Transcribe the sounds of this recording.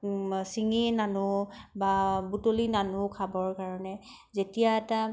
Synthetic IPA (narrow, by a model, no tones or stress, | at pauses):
siŋinanubabutolinanukʰabɔɹkaɹɔnɛ | zetijaɛta